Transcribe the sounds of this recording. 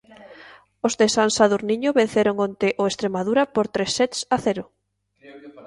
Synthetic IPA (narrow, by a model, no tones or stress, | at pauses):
ozðesansaðuɾniɲoβẽn̟θeɾoŋont̪eʔoest̪ɾemað̞uɾapoɾt̪ɾesːɛt̪saθeɾʊ